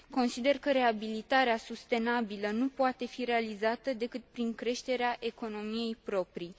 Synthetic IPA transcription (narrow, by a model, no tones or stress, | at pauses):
ko̞nsid̪e̞rkəɾe̞abilit̪aɾeasust̪e̞nabilənupoat̪e̞fiɾe̞alizat̪əd̪e̞kɨt̪̚pɾiŋkɾe̞ʃt̪e̞ɾeaʔe̞ko̞no̞mije̞jpɾo̞pɾi